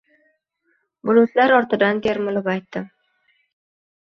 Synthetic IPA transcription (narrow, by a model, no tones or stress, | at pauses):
bʊlˠʊt̪laɾɒɾt̪ɪd̪ant̪ʰe̞ɾmɪlɪpajt̪ːɪ